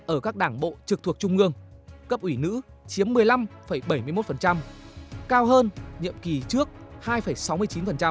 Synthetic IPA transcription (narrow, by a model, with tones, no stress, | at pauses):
ʔəː˧˩kaː˦˥k̚ɗaː˧˩ŋɓo̰˧˨t͡ɕɨ˨k̚t̪ʰu˨˩ək̚t͡ɕʊ˧ŋ͡mʔɨ˧əŋkə˦˥p̚ʔwi˧˩nɨ̰˧˥ | t͡ɕi˨˦əmːɨ˨˩əjla˧mfə˧˩jɓə˧˩jmɨ˧jmo˦˥t̚fə˨˩nt͡ɕa˧mkaː˧wɦəː˧nɲḭ˧˨əmki˨˩t͡ɕɨ˦˥ək̚haː˧jfə˧˩jsa˨˦wmɨ˧əjt͡ɕi˨˦nfə˨˩nt͡ɕa˧m